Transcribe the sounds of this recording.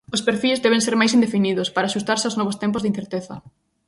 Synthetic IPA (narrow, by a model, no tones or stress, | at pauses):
ʊspeɾfilzd̪ɛβẽŋseɾmajsind̪efiniðʊspaɾaːʃust̪aɾsɪawznɔβ̞ost̪ɛmpʊzðin̟θeɾt̪eθɐ